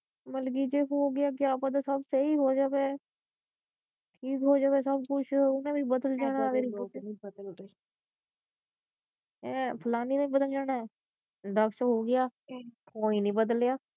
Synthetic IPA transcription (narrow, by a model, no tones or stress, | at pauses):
məlk̬iːd͡ʒeːɦoːɡɪaːk̬ɪaːpãːt̪aːsəbseɦiːɦoːd͡ʒaːʋeː | ʈʰiːkɦoːd͡ʒaːʋeːsəbkʊt͡ʃʰʊnãːbiːbəd̪əld͡ʒaːɽãːd̪eːɾɪnibəd̪əlɡe | ɛ̃ːpʰəlaːniːnãiːbəd̪əld͡ʒaːɽaː | d̪əkʰsɦoːɡɪjaːkoːiːnĩːbəd̪əlɪjaː